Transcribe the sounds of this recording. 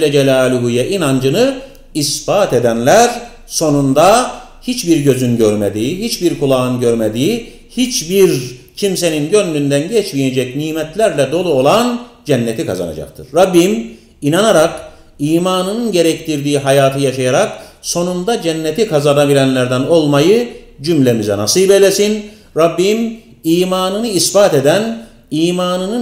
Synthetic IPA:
lːɛd͡ʒɛlʲaːlʲuɦujɛʔinand͡ʒɯnɯ | isbaːt̪ʰed̪ænlʲæɾ | so̞nund̪a | hit͡ʃbiɾɟø̞zynɟøɾmed̪iiɦit͡ʃbiɾkʰulˠaːɯnɟøɾmed̪ii | hit͡ʃbiɾ | cʰimse̞ninɟø̞nlʲynd̪ænɟɛt͡ʃmijed͡ʒɛcniːmɛt̪lʲæɾlʲɛd̪o̞lˠuo̞lˠand͡ʒɛnːɛt̪ʰikʰa̰za̰na̰d͡ʒa̰k̚t̪ʰɯɾːabːim | inanaɾak | iːmaːnɯnɯnɟe̞ɾɛct̪ʰiɾd̪iːɦajaːt̪ʰɯjaʃajaɾakso̞nund̪ad͡ʒɛnːet̪ʰikʰazanabilʲænlʲæɾd̪æno̞lˠmajɯd͡ʒymlʲemizɛ̰na̰sɯjbelʲesin | ɾabːim | iːmaːnɯnɯisbaːt̪e̞d̪æn | iːmaːnɯnɯ

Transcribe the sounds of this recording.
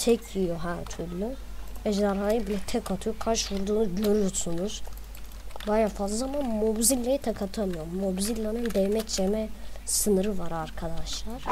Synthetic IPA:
t̪ʰɛcʰijoɦæɾt̪ʰyɾlʲyvɛʒaɾɦaːjɯbilʲɛt̪ʰɛkʰat̪ʰujokʰaɾʃvuɾd̪uːnuɟøɾyjsunuz̥ | bajafazlˠamanmobzilʲːajit̪ʰakʰat̪ʰamɯjo̞ɾmːobzilʲːanɯnd̪ɛvmɛct͡ʃemɛsɯnɯɾɯvaɾaɾkʰad̪aʃlˠaɾ̥

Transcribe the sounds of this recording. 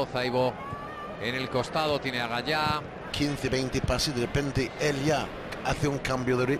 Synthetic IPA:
θajβo | enelko̞st̪aðot̪jeneaɣaʎa | kʰinθeβejnt̪epasiðerepẽnt̪eelja | aθeuŋkambjoðeɾi

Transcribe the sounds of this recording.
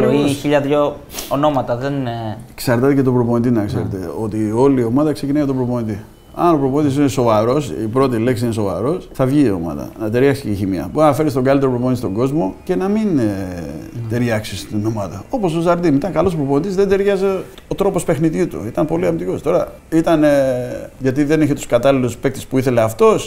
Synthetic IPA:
oiçiʎɐðʝo | ono̞mɐt̪ɐðenksɐɾt̪ɐt̪ecet̪o̞pɾo̞po̞nit̪inɐkse̞ɾet̪e̞̰o̞t̪io̞lio̞mɐðɐkse̞cinɐjɐt̪opɾopo̞nit̪i | ɐ̰no̞pɾoponit̪isineso̞vɐɾo̞sipɾo̞t̪̬ileks̬iineso̞vɐ̰ɾo̞sθɐvʝiːo̞̰mɐ̰ðɐ̰nɐt̪e̞ɾʝɐksi̥ceçimiɐ̰buɐnɐfe̞ɾist̪oɡɐlit̪eopɾoponit̪ist̪o̞ŋɡo̞zmo̞ce̞nɐmin | t̪e̞ɾʝɐksist̪ino̞mɐðɐ̰o̞po̞sozɐɾðinit̪ɐŋkɐlosopɾo̞po̞nit̪izðend̪e̞ɾʝɐze̞ | ot̪ɾo̞po̞spe̞xniðit̪ṵit̪ɐnmpo̞liɐmit̪iko̞st̪o̞ɾɐ | it̪ɐneʝɐt̪iðe̞neçet̪u̥skɐt̪ɐliluspek̚t̪espuiθeleɐft̪o̞s

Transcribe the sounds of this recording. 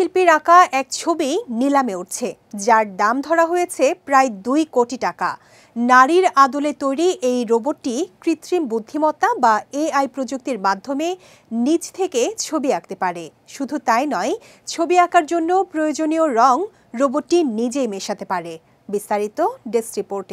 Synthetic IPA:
ʃilpiɾakaʔɛk̚t͡ɕʰobinilameuʈ̚t͡ɕʰe | d͡ʑaɾd̪amd̪ʱɔɾaɦojet͡ɕʰepɾajd̪ujkoʈiʈaka̰ | naɾiɾad̪olet̪ojɾiʔejɾoboʈʈːikɾit̪ɾimbud̪ʱːimɔt̪ːabaeajpɾod͡ʑuk̚t̪iɾmad̪ʱːome | nit͡ɕt̪ʰeket͡ɕʰobiak̚t̪epaɾe | ʃud̪ʱut̪ajnɔe | t͡ɕʰobiakʰaɾd͡ʑonːopɾojod͡ʑonioɾɔŋ | ɾoboɾːinid͡ʑejmeʃat̪epaɾe | bist̪aɾit̪oɖesɾipoɾʈe

